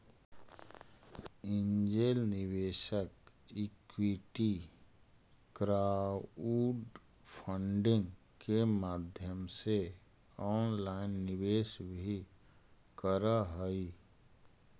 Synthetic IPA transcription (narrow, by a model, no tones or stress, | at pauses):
ɪ̃nd͡ʒeːlnɪʋeːʃək | ikwiʈi | kɾaːuːɖ | pʰəɳɖɪ̃ŋɡ | kemaːd̪ʱjəmse | ɔːnlaːɪnːɪʋeːʃbʱi | kəɾaɦəi